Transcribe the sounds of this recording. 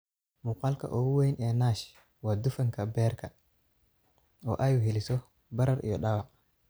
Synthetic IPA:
muqaːlkʰɐ̰ʔɔːwejnʔɛːnaːʃ | waːd̪ufɐŋkʰɐbɛːrkʰɐ | ɔːʔɐjuɦɛlɪsɔ | bɐɾɐɾʔḭjɔɗɐwa

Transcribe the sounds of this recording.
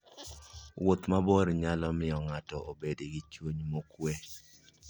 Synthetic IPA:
wot̪maboɾɲalɔmɪjɔŋatɔʔobedeɡit͡ʃwuɲmokwe

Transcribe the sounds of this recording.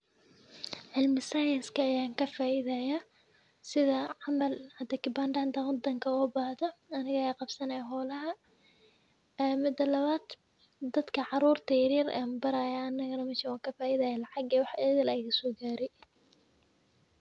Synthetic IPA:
ʕɪlmɪsɐjɐnskʰɐːjaːŋkʰɐfaːʔɪðajaː | sɪðɐʕɑmɐlhɐd̪ɐkɪbanɖant̪ɐwɑd̪ɐŋkʰɐɔːbaːhðɔɐnɪɣɐjaːqɑbsɐnɐjaɦɔːlɐɦɐ | mɪd̪ɐlɐβaːd̪ | d̪ɐd̪kʰɐʕɑɾuːrt̪ʰɐjɪɾiːɾa̰mbɐɾaːjaɐnːɐɣɐnɐmɛʃɐwaːŋkʰɐfaːʔɪðɐjalɐʕɑɡɛːwɑħɛːðɪlɐjɣɐsɔːɡaːɾɛj

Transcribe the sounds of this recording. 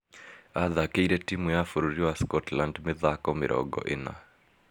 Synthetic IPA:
aðakeiɾɛtimujafuɾuɾiwaskɔtlandmɪðakɔmɪɾʔɔ̰ɠɔ̰ʔena̰

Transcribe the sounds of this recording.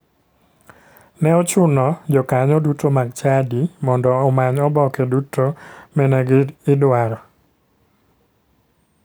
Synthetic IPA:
nɛɔt͡ʃʊnɔd͡ʒɔkaɲɔdutomaɡt͡ʃadimɔndɔːmaɲɔbɔkɛdutʰomɛnɛɡɪdwaɾɔ

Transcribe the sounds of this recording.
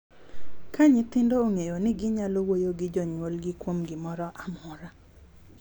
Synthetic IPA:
kaɲɪt̪ɪndoːŋejonɪɡɪɲalowojoɡɪd͡ʒɔɲwolɡɪkwomɡɪmɔɾɔʔamɔɾa

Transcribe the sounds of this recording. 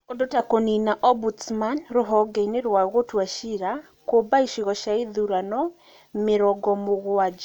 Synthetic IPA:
odotakoninaʔɔbutmanɾoɦɔɡɛineɾwaɣotwaʃiɾa | kobaiʃiɣɔʃaiðuɾanɔ | meɾɔɡɔmoɣoad͡ʒa

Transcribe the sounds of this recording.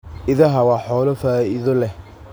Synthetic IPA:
ʔɪðɐɦɐwɑːħɔːlɐfaːɪðɔlɛ

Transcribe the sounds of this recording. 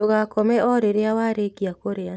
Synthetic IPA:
oɣakɔmɛʔɔɾeɾeawaɾekiakoɾea

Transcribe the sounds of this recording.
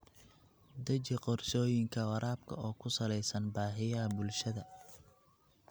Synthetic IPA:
d̪ɐt͡ʃɪqɔrsɔːjɪŋkʰɐwɐɾʔaːbkʰɐ̰ɔːkʰʊsɐlɛjsɐnbaːħɪjɐbʊlʃɐðɐ

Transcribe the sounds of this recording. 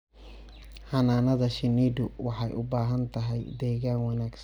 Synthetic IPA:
ħɑnaːnɐðɐʃɪniːd̪ʊwɑħɑjʔʊbaːɦɐnt̪ʰɐɦɛjd̪ɛːɣaːnwɑnaːɡs

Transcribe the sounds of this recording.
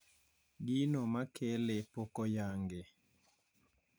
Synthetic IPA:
ɡinɔmakʰelepokɔjaŋɡe

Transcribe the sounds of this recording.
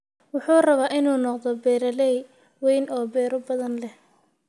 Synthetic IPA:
wʊħuːrɐβaːʔɪnuːnɔqd̪ɔbɛːɾɐlɛj | wɛjnʔɔːbɛːɾɔbɐðɐnlɛh

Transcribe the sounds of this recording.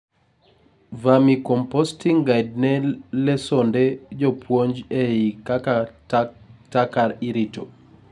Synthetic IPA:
vamikɔmpostiŋɡajd̚nɛlɛsonded͡ʒopwoɲd͡ʒeikaka | takaɾiɾito

